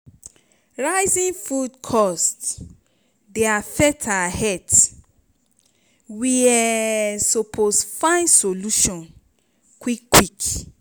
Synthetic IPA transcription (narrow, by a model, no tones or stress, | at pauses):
ɹaɪzĩnfudkʰɔst | deafɛtʰahɛt | wiɛsopʰosfãɪ̃nsoluʃɔ̃n | kwikːwik